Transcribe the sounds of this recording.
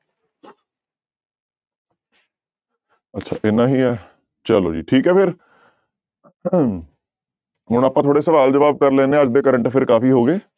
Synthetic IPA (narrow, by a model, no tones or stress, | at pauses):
ətːʃʰa̰ːʔɪnãːɦiːɛː | t͡ʃəlo̰ːd͡ʒḭːʈʰiːkɦɛːpɪɾ | ɦʊɳaːpãːt̪ʰoːɽeːsəʋaːld͡ʒəʋaːb̚kəɾlẽːnẽːəd͡ʒd̪eːkəɾəɳʈpʰɪɾkaːfiːɦoːɡeː